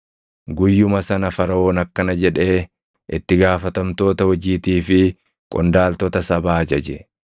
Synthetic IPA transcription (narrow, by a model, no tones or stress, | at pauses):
ɡʊjːʊmɐsɐnɐfɐɾɐo̞ːnɐkːɐnɐd͡ʒɛᶑe̞ː | ʔɪt̪ːɪɡaːfɐt̪ɐmt̪o̞ːt̪ɐhɔd͡ʒiːt̪iːfɪ | kʼɔnd̪aːlt̪ɔt̪ɐsɐbaːd͡ʒɐd͡ʒɛ